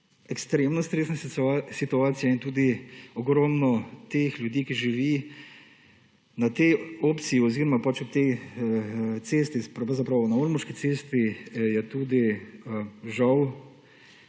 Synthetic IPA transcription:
ɛkst̪ɾeːmnɔst̪ɾeːsnasasit̪uaːt̪sijaint̪uːd̪iɔɡɾɔːmnɔt̪eːxlʲjud̪iːkiʒiʋiː | nat̪ɛjoːpt̪siiɔziːɾɔmapat͡ʃɔt̪ej | t̪seːst̪ipazapɾawnauɾmɔʃkit̪seːst̪ijɛt̪uːd̪i | ʒaw

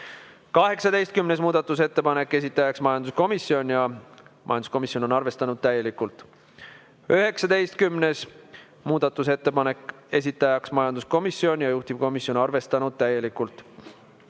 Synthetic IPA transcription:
kɑɦe̞ksɑd̪e̞jst̪̚kymnes̬muːd̪̥ɑt̪ːˑus̬e̞t̪ːe̞pɑne̞kːe̞s̬ʲit̪ːˑɑjɑksmɑjɑnd̪usko̞misːio̞nʲjɑmʔɑ̰jɑnd̪u̥sko̞misjo̞no̞nɑrve̞st̪ɑnud̪̥̚t̪æje̞likːˑult̪ːˑ | øɦe̞ksɑd̪e̞jst̪kymne̞s | muːd̪̥ɑt̪ːˑus̬e̞t̪ːe̞pɑne̞kːˑ | e̞s̬ʲit̪ːˑɑjɑksmɑjɑnd̪usko̞misio̞nʲjɑjuht̪ib̥ko̞misjo̞nɑrve̞st̪ɑnud̪̥̚t̪æje̞likːˑult̪ˑ

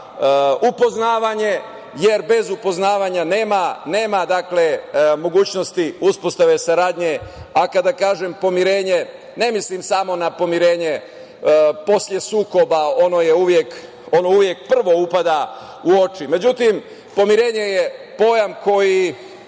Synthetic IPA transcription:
upo̞znaːʋaɲe̞ | je̞ɾbe̞zupo̞znaːʋaɲane̞ːmane̞ːmad̪akle̞mo̞ɡuːt͡ɕno̞st̪iuspo̞st̪aʋe̞saɾaːd̪ɲe̞akad̪akaːʒempo̞miɾe̞ːɲe̞ | ne̞mislimsamo̞napo̞miɾe̞ːɲe̞ | po̞slje̞suːko̞bao̞no̞jeuʋjek | o̞no̞uʋjek̚pr̩ʋo̞upad̪a | uo̞t͡ʃime̞d͡ʑut̪im | po̞miɾe̞ːɲe̞jepo̞jamko̞ji

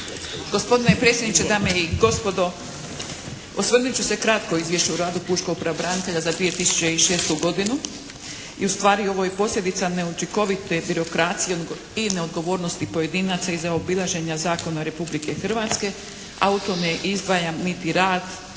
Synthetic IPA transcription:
ɡ̥o̞spo̞d̪inepɾe̞t̪sjed̪nit͡ʃed̪aːmeiɡo̞spo̞d̪o̞ | osʋərnut͡ɕuse̞kɾat̪ko̞izʋje̞ʃt͡ɕeuɾaːd̪upuʃko̞ɡ̚pɾabɾanit̪e̞ʎazad̪ʋie̞t̪isu̥t͡ɕe̞iʃe̞ːst̪uɡo̞d̪inu | ḭust̪ʋaːɾio̞ʋo̞jepo̞slʎʲe̞d̪it̪sane̞ut͡ʃiko̞ʋit̪e̞biɾo̞kɾaːt̪sije | ineo̞d̪ɡo̞ʋo̞ːɾno̞st̪ipo̞je̞d̪iːnat̪saizaobilˠaʒe̞ɲazaːko̞naɾe̞publike̞xr̩ʋat̪ske̞ | a̰ut̪omjeʔizd̪ʋajamːit̪iɾaːd̪

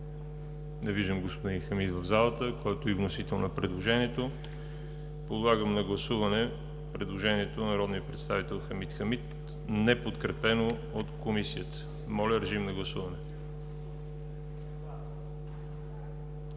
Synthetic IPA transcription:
nɛviʒd̪əmɡospod̪inxəmit̪vəvzalˠət̪əkɔjt̪oivnosit̪ɛlˠnɐpɾɛd̪lˠoʒɛniɛt̪o | pod̪lˠaɡəmnɐɡlˠɐsuvɐnɛ | pɾɛd̪lˠoʒɛniɛt̪onɐɾɔd̪nijəpɾɛt̪st̪avit̪ɛlˠxəmit̪xəmit̪ | nɛpot̪kɾɛpɛno | ot̪komisijət̪ə̥ | mɔlʲəɾɛʒimnɐɡlˠɐsuvɐnɛ

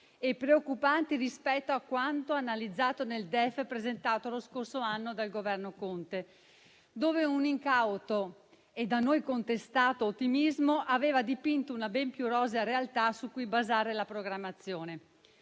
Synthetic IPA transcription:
epːɾeokːupant̪irispɛt̪ːoakːwant̪oanalid̪zːaːt̪oneld̪ɛfːepɾezent̪aːt̪oloskorsoanːod̪alɡovɛrnokont̪e | d̪oːveuniŋkawt̪o | ed̪anojkont̪est̪aːt̪oːt̪ːimizmoʔaveːvad̪ipint̪ounabɛmpjuɾɔːzaɾealt̪asukːujbazaːɾelapɾoɡɾamːat̪sːjoːne

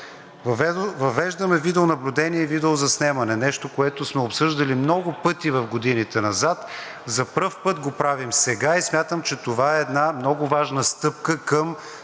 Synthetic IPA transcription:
vɐvɛʒd̪əmɛvid̪ɛʊnɐblʲʊd̪ɛniɛivid̪ɛʊzɐsnɛmɐnɛnɛʃt̪okoɛt̪ʊsmɛopsɤʒd̪ɐlimnɔɡʊpɤt̪ivɐfɡod̪init̪ɛnɐzat̪ | zɐpɾɤfpɤt̪ɡopɾavimsɛɡaismʲjat̪əmt͡ʃɛt̪ovaɛːd̪namnɔɡʊvaʒnəst̪ɤp̚kəkəm

